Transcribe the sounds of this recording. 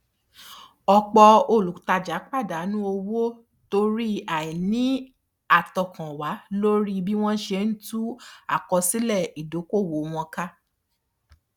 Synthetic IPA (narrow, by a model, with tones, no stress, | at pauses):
ɔ˧k͡pɔ˧o˧˨lu˨ta˧d͡ʒa˨˦k͡pa˦˨da˨˦nũ˦o˧wo˦ | to˧ɾi˦a˨i˨nĩ˨˦ | a˨tɔ˨kã˨wa˨˦lo˦ɾi˦bi˦w̃ɔ̃˦ʃe˧˦n̩˦tu˦a˦˨kɔ˧si˦lɛ˦˨i˨do˨˦ko˦˨wo˨˦w̃ɔ̃˧ka˦